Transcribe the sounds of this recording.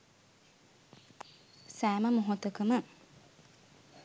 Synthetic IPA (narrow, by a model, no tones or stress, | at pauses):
sæːməmoɦot̪əkəmə